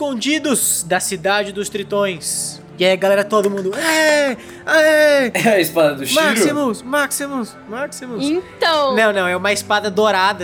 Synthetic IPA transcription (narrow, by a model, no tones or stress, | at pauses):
ɪskõd͡ʒid̪ʊzd̪ɐsid̪ad͡ʒɪd̪ʊst̪ɾit̪õj̃s | ɪaiɡalɛɾɐt̪od̪ʊmũnd̪ʊɛ | aɛɛɐɪspad̪ɐd̪ʊʃmasimʊsmaksimʊs | maksimʊẽt̪ɐ̃w̃nɐ̃w̃nɐ̃w̃ɛũmɐɪspad̪ɐd̪oɾad̪ɐ